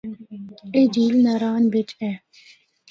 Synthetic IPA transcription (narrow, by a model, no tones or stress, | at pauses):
ed͡ʒiːlnɐɾaːnbɪt͡ʃɛ̃ː